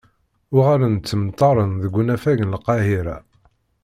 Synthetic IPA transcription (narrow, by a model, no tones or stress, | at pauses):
ʊʁaɾænt͡sːəmt̪ˤːɑɾˤənðəɡʷːunæfæʝənlqɑɦiɾa